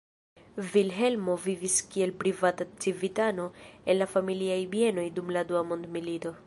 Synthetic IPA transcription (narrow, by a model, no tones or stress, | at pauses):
vilɦe̞lmo̞viviskie̞lpɾivatat͡sivitano̞e̞nlafamiliajbie̞no̞jdumladuamo̞ndmilito̞